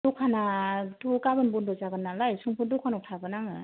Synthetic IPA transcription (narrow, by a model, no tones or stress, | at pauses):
ukʰanatʰɔkabɯnbundɔzaɡɯnːalajsuŋpʰudukʰanawtʰaɡɯnaŋɯ